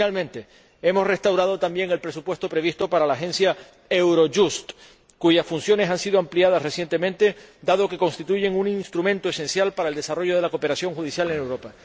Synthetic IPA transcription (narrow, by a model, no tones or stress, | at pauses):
almẽnt̪e̞ | emo̞sre̞st̪awɾaðo̞t̪ambje̞ŋe̞lpɾe̞supwe̞st̪o̞pɾe̞βist̪o̞paɾalaːxẽ̞nsja | e̞wɾo̞ʝust̪ | kuʝasfunsjo̞ne̞sansiðoampliað̞asre̞sje̞nt̪e̞mẽ̞nt̪e̞d̪aðo̞ke̞ko̞nst̪it̪uʝe̞ŋuninst̪ɾumẽ̞nt̪o̞e̞se̞nsjalpaɾaeld̪e̞saro̞ʝo̞ð̞e̞lako̞pe̞ɾasjo̞ŋxuðisjale̞ne̞wɾo̞pa